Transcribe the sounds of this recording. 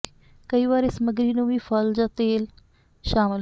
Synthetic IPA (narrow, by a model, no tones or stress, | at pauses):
kəiːʋaːɾesəməɡɾiːnũːʋiːpʰəld͡ʒãːt̪eːl | ʃaːmɪl